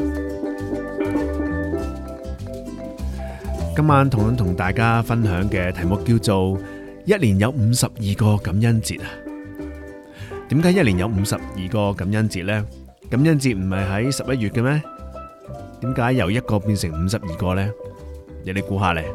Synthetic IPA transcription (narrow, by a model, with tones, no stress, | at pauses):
kɐ˥mːaː˨˥nt̪ʰʊ˨˩ŋtɐ˨˥t̪ʰʊ˨˩ŋt̪aː˨jkaː˥fɐ˥nɦœː˨˥ŋkɛː˧t̪ʰɐ˨˩jmʊ˨kːiː˧wt͡so˨w | jɐ˥t̚liː˨˩njɐ˨˧wm̩ː˨˧sɐ˨p̚jiː˨kɔː˧kɐ˨˥mjɐ˥nt͡sḭː˧t̚a˧ | t̪iː˨˥mkaː˨˥jɐ˥t̚liː˨˩jɐ˨˧wm̩˨˧sɐ˨p̚jiː˨kɔː˧kɐ˨˥mjɐ˥nt͡siː˧t̚lɛː˥ | kɐ˨˥mjɐ˥nt͡siː˧t̚m̩˨˩mhɐ˨jɦɐ˨˥jsɐ˨p̚jɐ˥t̚ɥyː˨t̚kɛ˧mɛː˥ | t̪iː˨˥mkaː˨˥jːɐ˨˩wjɐ˥t̚kɔː˧piː˧nsɪ˨˩ŋm̩ː˨˧sɐ˨p̚jiː˨˩kɔː˧lɛː˥jle˨˧jkuː˨˥ɦaː˨˩lɛ˨˩